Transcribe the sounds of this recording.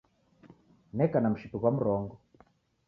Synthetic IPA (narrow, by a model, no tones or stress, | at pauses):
nɛkanam̩ʃituɣwamuɾɔŋɡɔ